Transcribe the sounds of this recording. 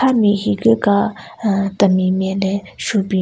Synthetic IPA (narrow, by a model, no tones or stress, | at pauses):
amihikəkat̪əmimjɛ̃lɛʃupi